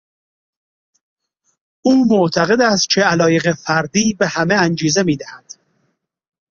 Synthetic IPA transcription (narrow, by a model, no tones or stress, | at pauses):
ʔuːmoʔt̪ʰæɣe̞d̪æst̪̚cʰeælɒːje̞ɣefæɾd̪iːbe̞hæme̞ænd͡ʒiːze̞miːd̪æhæd̪̥